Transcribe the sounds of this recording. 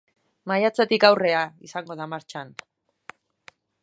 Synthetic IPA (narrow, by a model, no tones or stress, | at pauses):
majat͡sat̪ikawre̞aḭsaŋɡo̞ð̞amaɾt͡ʃan